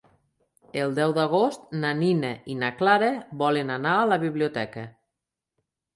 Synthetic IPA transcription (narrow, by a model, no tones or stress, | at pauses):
elˠd̪ɛwd̪aɣ̞ost̪nanineinaklaɾebɔlənanaːləβiβliut̪ɛkə